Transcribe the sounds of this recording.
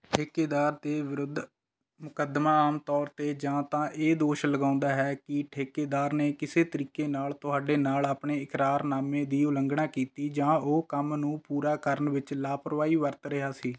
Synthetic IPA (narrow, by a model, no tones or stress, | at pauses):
ʈʰeːkeːd̪aːɾt̪eːʋɪɾʊd̪ʱ | mʊkəd̪mãːaːmt̪ɔːɾt̪eːd͡ʒãːt̪ãːʔeːd̪oːʃləɡãːʊ̃nd̪aːɦɛːkɪʈʰeːkeːd̪aːɾneːkɪseːt̪əɾiːkeːnaːlt̪ʊɦaːɖeːnaːlaːpɳeːɪkɾaːɾnaːmẽːd̪iːʊləŋɡɳãːkiːt̪iːd͡ʒãːoːkəmnũːpuːɾaːkəɾənʋɪt͡ʃlaːpəɾʋaːiːʋəɾt̪ɾɪɦaːsiː